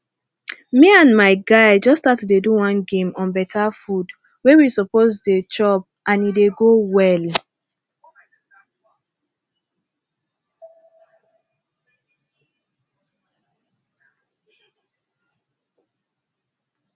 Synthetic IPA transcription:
miãnmaɪɡaɪd͡ʒɔstatudeduwɔ̃nɡẽmɔ̃nbɛtʰafud | wewisɔpozdet͡ʃɔp̚ | ʔãnideɡowɛl

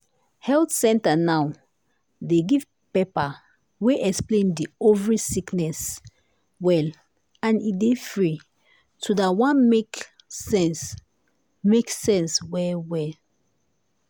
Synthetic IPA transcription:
hɛltsɛ̃ntanaw | deɡiv | pepa | weʔɛksplẽndiovəɹisiknɛs | wɛl | ãnidefɹi | tʰudawãnmek | sɛ̃ns | meksɛ̃nswɛwɛ

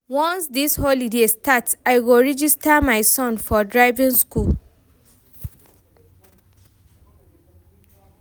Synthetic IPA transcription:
wɔ̃nsdisholidestʰataɪwilɹɛd͡ʒistamaɪsɔ̃nfɔdɹaɪvĩnskul

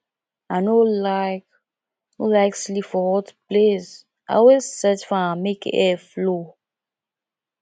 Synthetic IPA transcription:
anolaɪk | nolaɪkslifɔwɔtʰu̥plez | ʔa̰wesɛtfɔamekɛflo

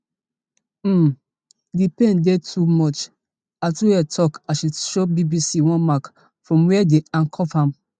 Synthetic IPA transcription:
dipẽndetʰumɔt͡ʃ | atuwɛtʰɔkaʃuʃobibisiwɔ̃nmak | fɹɔ̃mwɛdeãnkʰɔfhãm

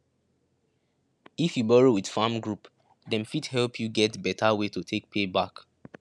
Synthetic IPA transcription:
ifjubɔɹiwid̥fãmɡɹup | dɛ̃nfidhɛlpʰjuɡɛtbɛtʰawetotʰek̚pʰebak

